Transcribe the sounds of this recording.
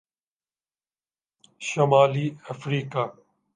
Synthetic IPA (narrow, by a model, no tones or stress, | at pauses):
ʃɐmaːliːəfɾiːkaː